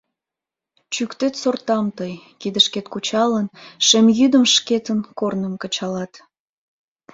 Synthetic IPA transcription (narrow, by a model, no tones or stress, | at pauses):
t͡ɕykt̪et̪sort̪ɑmt̪əjkid̪əʃket̪kut͡ɕɑlənʃemjyd̪əmʃket̪ənkornəmkə̆t͡ɕɑlɑt̪